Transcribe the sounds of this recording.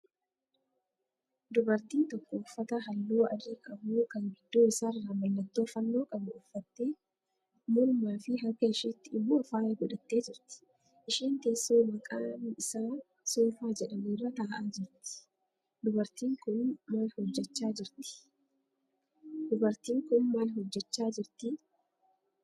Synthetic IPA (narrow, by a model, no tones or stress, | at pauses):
d̪ʊbɐɾt̪iːnt̪ɔkːoːfːɐt̪ɐɦɐlːuːɐdikʼɐbuːkɐŋɡɪd̪ːoːɪsaːrːaːmɐlːɐt̪ːo̞ːfɐnːo̞ːkʼɐbʊʊfːɐt̪ːeː | mʊlmaːfɪɦɐkːɐɪʃiːt̪ːɪɪbuːɐfaːeːɡɔᶑɐt̪ːe̞ːd͡ʒɪɾt̪ɪ̥ | ʔɪʃiːnt̪eːsːoːmɐkʼaːnɪsaː | suːfaːd͡ʒɛᶑɐneːrːɐt̪aːʔaːd͡ʒɪɾt̪ɪ̥ | d̪ʊbɐɾt̪iːŋkʊnmaːlhɔd͡ʒːɛt͡ʃːaːd͡ʒɪɾt̪ɪ̥ | d̪ʊbɐɾt̪iːŋkʊnmaːlɦɔd͡ʒːɛt͡ʃːaːd͡ʒɪɾt̪ɪ